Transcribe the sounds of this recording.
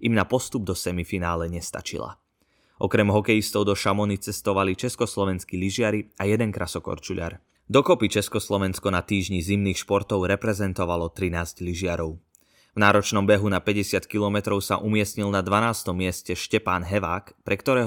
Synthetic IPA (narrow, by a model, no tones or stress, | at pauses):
imnapɔst̪ub̚d̪ɔsɛmifinaːlɛɲɛst̪a̰t͡ʃḭla̰ | ʔɔkɾɛmɦɔkɛjist̪ɔʊd̪ɔʃamɔnit͡sɛst̪ɔʋalit͡ʃɛskɔslɔʋɛnskiliʒɪaɾiajɛd̪ɛnkɾasɔkɔ̰ɾt͡ʃuʎa̰ɾ | d̪ɔkɔpit͡ʃɛskɔslɔʋɛnskɔnat̪iːʒɲizimniːxʃpɔɾt̪ɔʊɾɛpɾɛzɛnt̪ɔʋalɔt̪ɾinaːzɟliʒɪaɾɔʊ | vnaːɾɔt͡ʃnɔmbɛɦunapɛɟɛsɪat̪kilɔmɛt̪ɾɔʊsa̰ʔumɪɛsɲilnad̪ʋanaːst̪ɔmːɪɛscɛʃcɛpaːnɦɛʋaːkpɾɛkt̪ɔɾɛːɦ